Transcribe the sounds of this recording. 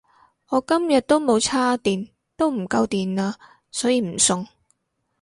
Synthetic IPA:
ɔː˨˧kɐ˥mjɐ˨t̚t̪o˥wmo˨˧wt͡sʰaː˥t̪iː˨n | t̪o˥wm̩˨˩kɐ˧wt̪iː˨naː˧ | sɔː˨˥jiː˨˧m̩˨˩sʊ˧ŋ

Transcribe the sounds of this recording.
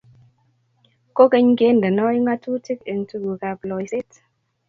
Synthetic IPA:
ko˦ke˦ɲke˦ndə˨nɔ˦jŋa˦tu˦ti˦ke˨ntu˦ɡu˨ka˧plɔ˨jse˦t

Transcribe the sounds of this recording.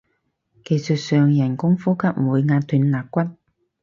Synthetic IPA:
ke˨˩jsə˨˩t̚sœː˨ŋjɐ˨˩nkʊ˥ŋfuː˥kʰɐ˥p̚muː˨˧jŋaː˧t̪ʰyː˨˧nlaː˨˩k̚kːʷɐ˥t̚

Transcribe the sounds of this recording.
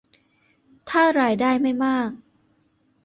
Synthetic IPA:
t̪ʰaː˥˩ɾaː˧jdaː˥˧jma˥˩jmaː˥˩k̚

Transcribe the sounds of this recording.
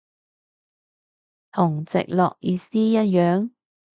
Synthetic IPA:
t̪ʰʊ˨˩ŋt͡sɪ̰˨k̚lɔ̰ː˨k̚jiː˨˧siː˥jɐ˥t̚jœː˨˥ŋ

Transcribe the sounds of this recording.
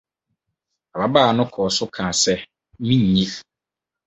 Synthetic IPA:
a˨ba˨baː˦˨nʊ̃˦kʰɔː˨sʊ˦kʰã˨sɛ˦ | mĩ˦ɲ˨ɲĩ˦

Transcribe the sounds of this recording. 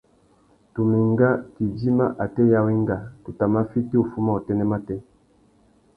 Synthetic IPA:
tu˨mi˨ŋɡa˦ki˨d͡ʒi˦ma˦ʔa˨tɛ˦ja˦wi˦ŋɡa˨tu˨ta˨ma˦fi˦ti˦o˨fu˦ma˦o˨tɛ˦nɛ˦ma˦tɛ˦

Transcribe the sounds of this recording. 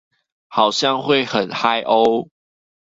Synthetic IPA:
xɑ˨˩ʊɕjɑ˥˨ŋxwe˥˨ɪxə˨˩nxa˦ɪʔo˦ʊ

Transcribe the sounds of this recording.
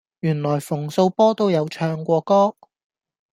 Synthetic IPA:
jyː˨˩nlɔː˨˩jfʊ˨˩ŋso˧wpɔː˥t̪o˧wjɐ˨˧wt͡ʃʰœː˧ŋkʷɔː˧kɔː˥

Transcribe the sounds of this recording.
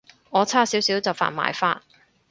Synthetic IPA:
ŋɔː˨˧t͡sʰaː˥siː˨˥wsiː˨˥wt͡sɐ˨wfa̰ː˨˩nma̰ː˨jfaː˥n

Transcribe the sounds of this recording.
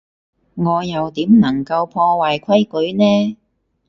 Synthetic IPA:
ŋɔː˨˧jɐ˨wt̪iː˨˥mnɐ˨˩ŋkɐ˧wpʰɔː˧waː˨jkʰɐ˥jkɵ˨˥ɥnɛː˥

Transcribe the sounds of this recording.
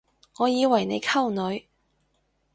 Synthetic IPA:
ŋɔː˨˧jiː˨˧wɐ˨˩jne˨˧jkʰɐ˥wnɵ˨˧ɥ

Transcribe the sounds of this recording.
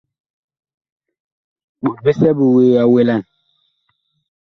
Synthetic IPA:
ɓu˨t̚bi˦sɛ˦bu˨weː˨a˨we˦la˦˨n

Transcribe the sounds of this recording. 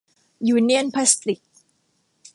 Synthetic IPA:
juː˧˩ni˦˥ə˨npʰa˦˥si̥˥ti˨˩k̚

